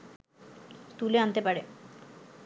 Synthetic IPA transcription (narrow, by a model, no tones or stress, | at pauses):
t̪uleant̪epaɾe